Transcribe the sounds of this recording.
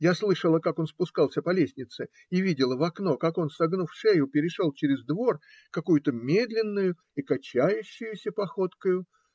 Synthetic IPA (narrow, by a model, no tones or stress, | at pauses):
jaslˠɨʂəlˠəkako̞nspʊskɑlˠsʲəpɐlʲesʲnʲɪt̪sɨ | ivʲidʲɪlˠəvɐkno̞kako̞nsɐɡnufʂejʊpʲɪɾʲɪʂo̞lˠt͡ɕɪɾʲɪzd̪vo̞r | kɐkujʊt̪əmʲe̞d̪lʲɪnːʊjʊ | ikɐt͡ɕæjʉɕːʊjʊsʲəpɐxo̞t̪kəjʊ